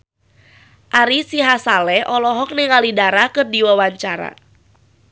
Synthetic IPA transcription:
ʔaɾisiɦasalɛʔɔlɔɦɔk̚nɪŋalidaɾakɨrdiwawaɲt͡ʃaɾa̰

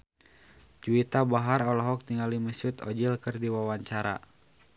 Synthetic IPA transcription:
d͡ʒuit̪abaɦaɾɔlɔɦɔk̚t̪iŋaliməsut̪ɔ̰d͡ʒilkɨrdiwawaɲt͡ʃaɾa̰

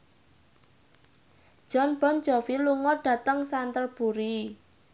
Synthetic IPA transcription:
d̥ʒ̥ɔnb̥ɔnd͡ʒɔfiluŋɔɖ̥a̤t̪əŋsant̪ərb̥uɾi

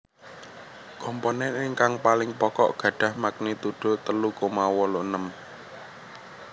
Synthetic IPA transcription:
kɔmponɛnɪŋkaŋpalɪŋpɔkɔ̰ʔɡ̥ä̤ɖ̥a̤hmak̚nit̪uɖ̥o̤t̪əlukomawɔloʔnəm

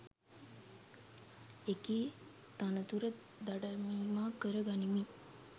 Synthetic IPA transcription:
ekiː | t̪anət̪uɾə | d̪aɖəmimaːkəɾəɡanimi

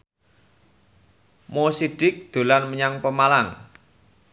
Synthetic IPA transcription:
mosiɖ̥ɪk̚d̪̥o̤lanməɲaŋpəmalaŋ

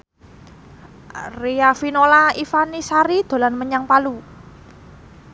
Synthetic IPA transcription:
riafinolaifanisaɾid̪̥o̤lanməɲaŋpalu

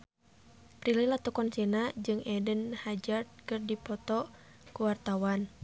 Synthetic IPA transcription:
pɾililat̪ukɔnsinad͡ʒɨŋɛdənhad͡ʒard̪̚kɨrdipɔt̪ɔ | kuwart̪awan

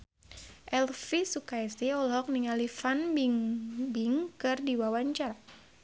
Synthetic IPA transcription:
ʔɛlfisukajsiɔlɦɔk̚niŋalifanbiŋbiŋkɨrdiwawaɲt͡ʃaɾa

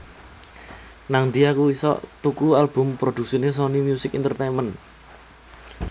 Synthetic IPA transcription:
naŋd̪iakuisɔ̰ʔt̪ukualb̥ʊ̤mpɾod̪̥ṳksines̬ɔnimjusɪkint̪ərt̪emən

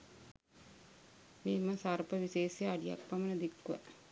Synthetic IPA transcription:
miːməsarpəʋiseːsjɐːɖija̰k̚pɐmɐnəd̪ikːuʋɐ̰

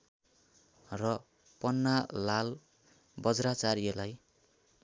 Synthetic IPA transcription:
rʌ | pʌnːalal | bʌd͡zɾat͡saɾielaj

